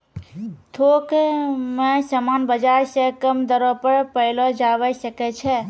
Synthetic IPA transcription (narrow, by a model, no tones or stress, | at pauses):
t̪ʰokmesəmanbəd͡ʒaɾsə̃kəmd̪əɾɔpəɾpəɪlɔd͡ʒabəsəkɛt͡ʃʰɛ